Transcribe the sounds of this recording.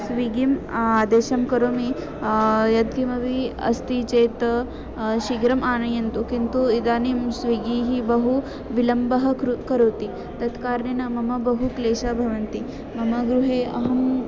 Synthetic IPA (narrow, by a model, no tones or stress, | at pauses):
sʋiɡimaːd̪eːʃɐmkɐɾoːmi | jɐd̪̚ɡimɐʋiɐ̰st̪it͡ʃeːt̪ɐ | ʃiɡɾɐmʔaːnɐjɐnt̪ukint̪uid̪aːnimsʋiɡiːɦibɐɦu | ʋilɐmbɐɦɐkɾukɐɾoːt̪i | t̪ɐt̪kaːɾɳenɐmɐmɐbɐɦukleːʃabʱɐʋɐnt̪i | mɐmɐɡɾuɦeːɐ̰ɦɐmm